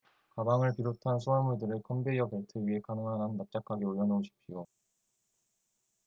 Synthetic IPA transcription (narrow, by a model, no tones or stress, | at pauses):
kabaŋɯɭpiɾotʰansʰuamuɭdɯɾɯɭkʰʌnbeiʌpeɭtʰɯɥiɦe̞kanɯŋɦanɯnːap̚t͡ɕ͈ak͈ʰaɡioɭjʌnooɕʰi̥p̚ɕʰijo